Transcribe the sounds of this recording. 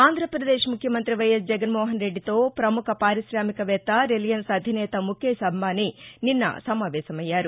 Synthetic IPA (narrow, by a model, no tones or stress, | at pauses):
aːnd̪ʱɾɐpɾɐd̪eːʃmukʰjɐmɐnt̪ɾiʋɐjɐsd͡ʒɛɡɐnmɔːɦɐnɾe̞ɖːit̪o̞ːpɾɐmukʰɐpaːɾiʃɾaːmikɐʋɛt̪ːɐɾelijɐnsɐd̪ʱinɛːt̪ɐmukʰeːsɐbmaːnininːɐ̰sɐmaːʋɛːsɐmɐjːaːɾu